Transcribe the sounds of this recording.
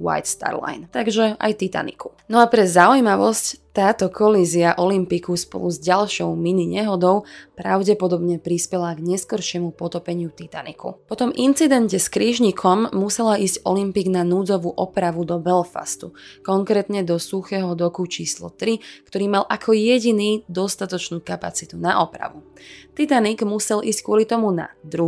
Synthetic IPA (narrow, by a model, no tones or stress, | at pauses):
wa̰jt̪st̪a̰ɾla̰jnt̪aɡʒɛa̰jt̪it̪a̰nḭku̥ | nɔapɾɛzaujmaʋɔsct̪aːt̪ɔkʰɔliziaʔɔlimpikuspɔ̰luzɟalʃɔʊminiɲɛɦɔd̪ɔʊpɾa̰ʊɟɛpɔd̪ɔbɲɛpɾispɛlaɡɲɛskɔɾʃɪɛmupɔt̪ɔpɛɲɪut̪it̪anḭkʰṵpɔt̪ɔmint͡sid̪ɛncɛskɾiːʒɲikʰɔmːusɛlaiːscɔlimpiːɡnanuːd͡zɔʋuʔɔpɾaʋud̪ɔbɛlfa̰st̪ukɔŋkɾɛːt̪ɲɛd̪ɔsuxɛɦɔd̪ɔkut͡ʃiːslɔ̰t̪ɾikt̪ɔɾiːmalʔakʰɔjɛɟiniːd̪ɔst̪at̪ɔt͡ʃnuːkapat͡sit̪unaʔɔpɾa̰ʋut̪it̪aniɡmusɛlʔiːsckʊɔlit̪ɔmuna̰d̪ɾu